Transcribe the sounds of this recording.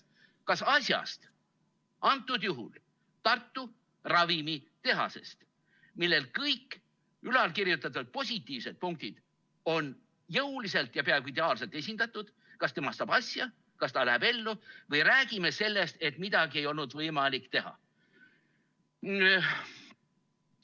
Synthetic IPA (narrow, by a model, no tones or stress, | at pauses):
kɑsɑsjɑ̰st̪ | ɑnt̪ːˑud̪juɦṵl | t̪ɑrt̪ːu | rɑvimit̪e̞ɦɑ̰se̞̰st̪ | milːe̞lkɤjkː | ylɑlkirjut̪ːˑɑt̪ːud̪̥̚po̞s̬ʲit̪ːˑiːvse̞d̪̥̚puŋk̚t̪id̪̥ | o̞n | jɤwlis̬e̞lt̪jɑpeɑˑeɡuid̪̥e̞ɑːlse̞lt̪e̞s̬ʲind̪̥ɑt̪ːˑud̪̥ | kɑst̪e̞mɑst̪ɑb̥ɑsʲjɑ | kɑst̪ɑlæɦebe̞lːuvɤjɾæːɡ̥ime̞se̞lːest̪e̞t̪mid̪ɑɡie̞jo̞lnud̪̥vɤjmɑlikt̪e̞ɦɑ̰